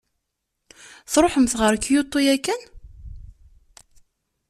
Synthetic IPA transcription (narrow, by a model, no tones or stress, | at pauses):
θɾˤoħəmθʁəɾkːjot̪ˤːujækːən